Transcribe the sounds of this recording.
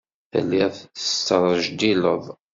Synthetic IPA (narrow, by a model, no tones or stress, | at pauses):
θə̰lːiʁθθə̥st̪ːəɾˤəʒd̪ilə̰ðˤ